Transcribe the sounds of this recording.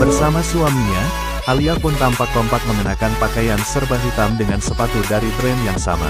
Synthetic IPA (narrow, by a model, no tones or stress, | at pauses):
bərsamasuamiɲa | ʔaliapʊnt̪ampak̚t̪ɔmpak̚məmənakanpakajansərbaɦut̪amdəŋansəpat̪udaɾit̪ɾɛnjaŋsa̰ma̰